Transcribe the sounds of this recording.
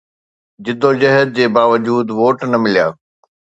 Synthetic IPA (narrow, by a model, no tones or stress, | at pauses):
d͡ʑɪd̪od͡ʑɐɦəd̪̚d͡ʑeːbaːʋəd͡ʑuːd̪ʋoːʈnɐmɪlija̰ː